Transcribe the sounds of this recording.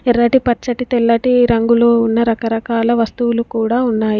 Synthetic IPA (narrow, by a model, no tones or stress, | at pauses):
ɛɾɐʈipɐɾt͡ʃɐʈit̪ɛlːɐʈiɾɐŋɡuloːunːɐɾɐkɐɾɐkaːlɐʋɐst̪uwulukuːɽaːunːaːji